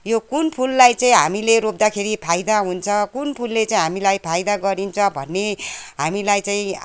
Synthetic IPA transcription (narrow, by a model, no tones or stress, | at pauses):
jokunpʰulːajt͡saĩɦamileɾop̚d̪akʰeɾipʰajd̪aɦunt͡sʰʌkunpʰulːet͡saĩɦamilajpʰajd̪aɡʌɾint͡sʰʌbʱʌnːeɦamilajt͡sãĩ